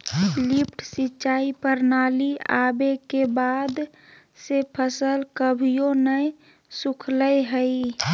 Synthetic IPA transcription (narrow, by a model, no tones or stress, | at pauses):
lipʰʈʰsit͡ʃaːipəɾnaːliabekebad̪ | sepʰəsəlkəbʱijonəj | sukʰləjɦəi